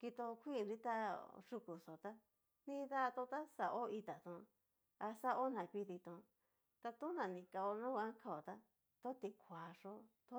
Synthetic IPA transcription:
ki˧t̪o˧kʷi˦˨˧nɾi˦t̪a˦ʂu˧ku˨so˨t̪a˦ | nĩ˦˧ða˦˧t̪õ˧t̪a˦sa˧˨ʔo˦i˧t̪a˨t̪ũ˧ | a˧sa˦ʔo˦nã˨kʷi˦˧ði˧t̪õ˧ | t̪a˧t̪ũ˦nã˨nĩ˨ka˧o˧nũ˦˧ã˦ŋkʰa˧o˨t̪a˦ | t̪o˦t̪i˧kʰʷa˨ʂo˦t̪o˦

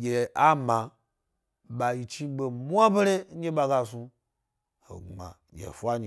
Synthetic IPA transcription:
ɡʲe˨a˦ma˨ | ɓa˨ji˨t͡ʃi˦be˨mʷ˦a˦be˦ɾe˦e˦ɓa˧ɡa˧su˧ | ho̰˨a̰˨ | jʲḛ˨fʷa˦ɲi˨

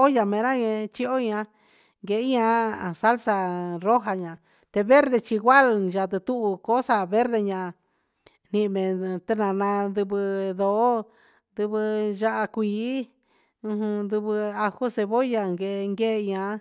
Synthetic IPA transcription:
o˦ja˧mẽ˨˧ɾã˦ɲẽ˧t͡ʃi˧o˦ɲã˧ | ŋɡe˨˦ã˧˨sa˦lsa˧ɾo˦ɦa˧ɲã˨ | t̪e˧βe˦ɾðe˧t͡ʃi˧ɡʷwa˦lʒa˧˨t̪ɨ˧t̪u˦ʔu˧ko˨˦sa˧βe˦ɾðe˧ɲã˧ | n̥ĩ˧mẽ˨t̪e˧nã˨nã˧nd̪u˧βɨ˧ðo˨˦ | nd̪u˧βɨ˧ʒa˦ʔa˧kʷiː˨˦ | ũ˧ɦũ˧nd̪u˧βɨ˧a˧ho˦se˧βo˦ja˧ŋɡe˧ŋɡe˦˧ɲã˧

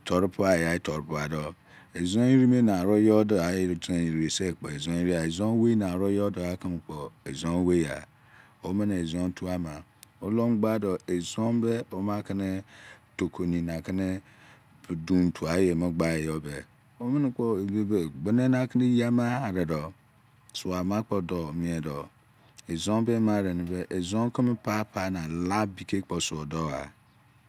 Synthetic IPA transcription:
tʰo˨ɾpu˦a˨ja˨˦i˦to˨ɾpu˦a˨do˨ | e˨zo˦i˦ɾi˦me˦na˨ɾo˦jo˦do˨˦a˨jto˨i˨ɾi˨e˨se˦˨k͡po˨e˨zo˦i˦ɾi˦a˨e˨zo˦we˦na˨ɾo˦jo˦do˨a˦ki˦n˨k͡po˨e˨zo˦we˦a̰˨ | o˦mi˦n˨e˨zõ˦n˦tʰu˦a˦ma˨o˦lo˦m˦ɡ͡ba˦do˨e˨zo˦m˦be˦o˦ma˦ki˦ne˦to˨ko˨ni˨na˨ki˦ne˦˨ | du˨n˨tʰu˨a˨˦je˨me˦ɡ͡ba˦e˨jo˦be˨ | o˦mi˦n˦k͡po˦e˨be˦be˨ɡ͡be˦ne˦na˨ki˦ne˦ji˦a˦ma˦˨ɾe˨dɔ˨ | su˨a˨ma˦k͡pɔ˨dɔ˨mĩ˨e˨dɔ˨ | e˨zõ˦m˦be˦ma˦˨ɾe˨ni˨be˦ʔe˨zõ˦ŋ˦ki˦me˦pa˦pʰa˦na˨la˦bi˨ke˦k͡po˨su˨o˨dɔ˦a̰˨

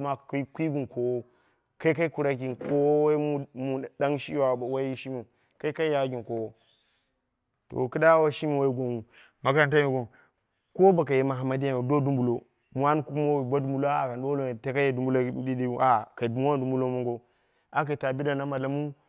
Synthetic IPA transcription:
ma˨kkʷi˦ɡi˨nko˨wo˦ | ka˦i˦ka˦i˦ku˨ɾa˨˦ɡi˨nko˦wo˦u˦mu˨da˦ŋʃi˦wa˨wa˦i˦ʃi˦mu˨ | ka˦i˦ka˦i˦ja˨˦ɡʲi˨ko˨wo˦ | to̰˨ki˦da˦wa˦ʃi˦mi˨wo˦i˦ɡʷo˨nwu˨ | ma˨ka˦˨nta˦mi˨ɡo˨n | ko˦ba˨k̬a˨je˨ma˨ɦa˨ma˦di˦a˨do˦du˦mbu˨lo˦ | mu˨a˦n˦ku˦ku˦mo˦wi˨ba˦du˦mbu˦lo˦a˦a˨ka˨n˨dlo˦˨te˦ka˦je˨du˦mbu˦lo˦di˦di˦u˦ʔa˨ka˨du˨m˦wa˦du˦mbu˦lo˦mo˦ŋɡo˦ | a˦k̬a˨ta˨bi˦da˨na˦ma˨la˨mu˦

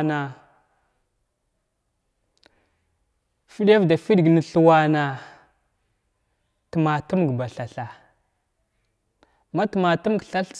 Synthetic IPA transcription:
na˨ | fi˦ɗja˦vda˨fi˦ɗɡnə˨ɬu˨wa˦na˨ | tə˨ma˨tu˦m˨ɡba˨ɬa˨ɬa˨ | ma˦tə˨ma˨tu˦m˦ɡɬa˦ɬ

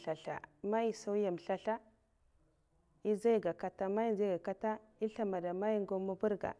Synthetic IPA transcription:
ɬa˨ɬa̰˨ma˦ji˨sa˦wja˨m˨ɬa˦ɬa˦ | i˦za˦i˦ɡa˨ka˨ta˦ma˦i˦za˦ɡa˨ka˦ta˦i˦ɬa˦ma˨da˨ma˦ji˦ŋɡo˦mːa˦bu˦ɾɡa̰˨

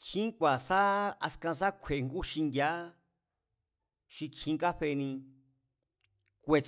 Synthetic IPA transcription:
kʰĩ˦kʷa˨sa˦a̰˧skã˧s̬a˦kʷʰe˨ŋɡu˦ʃi˧nd̪ʲja˦ | ʃĩ˧kʰĩ˧ka˦ɸe˧nĩ˧ | kʷe˧t͡s

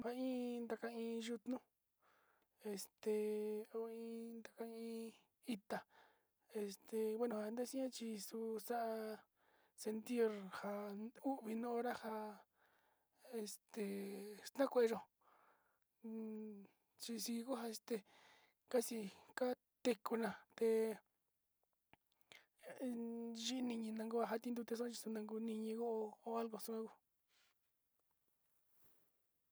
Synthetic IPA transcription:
ha˧ĩ˦nd̪a˧ka˧ĩː˧ʒu˧t̪nũ˦ | e˧˨st̪e˧o˧ĩ˧˦nd̪a˧ka˧ĩ˧ | i˧t̪a˧ | e˧st̪e˨wʷe˦nũ˧˨a˧d̪a˦sĩ˦ã˦t͡ʃi˧su˧sa˦ʔa˧ | se˧nt̪i˦ɾha˧u˦ʔβi˧nõ˦õ˦ɾa˦ha˧ | e˧st̪e˧st̪ã˦kʷe˧e˧ʒo˧ | t͡ʃi˧si˧i˧ku˦ɦa˧e˧st̪e˧ | ka˦si˧ka˦ | t̪e˧ku˧nã˧˨t̪e˧ | ʒi˦˧nĩ˧ɲĩ˧nã˧ŋɡu˦a˧ɦa˧t̪ĩ˧nd̪u˧t̪e˧s̬õ˦t͡ʃi˧sũ˧nã˧ŋɡu˧nĩ˧ɲĩ˧ɣo˦ʔo˧o˧a˦lɣo˧sũ˧ã˦ku˧

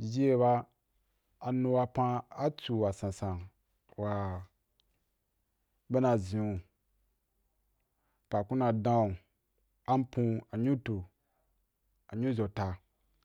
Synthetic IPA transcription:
d͡ʒi˦e˦ba˧˨ | nũ˧wa˧pã˦a˦t͡su˨wa˨sã˨sã˨n | wa˨ | be˦na˨zĩ˨u˨ | pa˨kũ˦na˨dã˦u˨ | a˦m˦pũ˦a˨ɲu˦to˨ | a˨ɲu˦zo˨ta˨

